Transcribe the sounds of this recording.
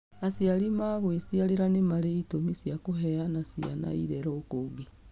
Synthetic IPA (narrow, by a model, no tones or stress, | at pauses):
asialimaɣwesiaɾeɾanemaɾeitomisjakoɦɛanasia̰na̰iɾɛɾɔːkoɣi